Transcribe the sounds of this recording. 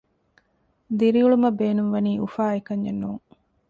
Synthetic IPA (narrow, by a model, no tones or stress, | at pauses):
d̪iɾiuɭumɐbeːnumʋɐniːʔufaːekɐɲːenːuːŋ